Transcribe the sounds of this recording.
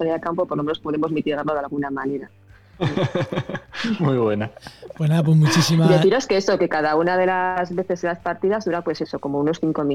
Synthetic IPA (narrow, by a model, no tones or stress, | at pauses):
aɾialkampo̞poɾlo̞me̞no̞spo̞ð̞e̞mo̞zmit̪iɣaɾloðalɣunamane̞ɾa | mujβwe̞napwenaðap̬wezmut͡ʃisimd̪eθiɾo̞skeeso̞ke̞kað̞aunað̞e̞lazβe̞θe̞selaspaɾt̪iðazðuɾapwe̞se̞so̞ko̞mo̞uno̞sθiŋko̞mĩ